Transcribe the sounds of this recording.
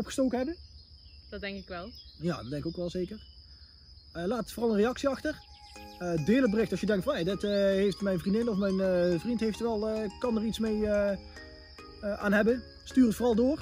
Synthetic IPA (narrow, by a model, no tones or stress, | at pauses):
ɔpxəstowkəɦɛbə | d̥ɑdɛŋkɪkʋɛlˠja̰ːddɛŋkowkʋɛlˠzeːkər | əlaːtfoːʁɑlˠənrejɑksiɑxtər | ədɪːləd̚bərɪxtɑsjədɛŋktfɑnadɪtəɦejftmɛjnvrindɪnɔfmɛjnəvrintɦejftɛlˠəkɑnəritsmejə | əʔa̰ːnɦɛbə | styːrətfoːrɑlˠdʊːr